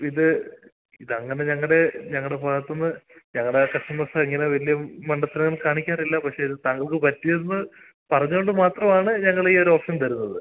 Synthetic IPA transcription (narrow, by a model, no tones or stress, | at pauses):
iðɨ | iðɐŋːɐne̞ɲɐŋːɐɭɽe̞ɲɐŋːɐɭɽe̞bʱaːɣɐt̪ːonːɨɲɐŋːɐɭɽekɐʂʈɐmːɐsɐiŋːɐne̞ʋɐlijɐmɐɳɖɐt̪ːiɾɐŋːɐɭkaːɳikʲːaːrilːɐpɐkʂeiðɨt̪aŋːɐɭkɨpɐtːijɐnːɨ | pɐrɐɲːuoɳɖɨmaːt̪rɐmaːɳɨɲɐŋːɐɭeiːo̞ɾoːpʂɐnt̪ɐɾunːɐðɨ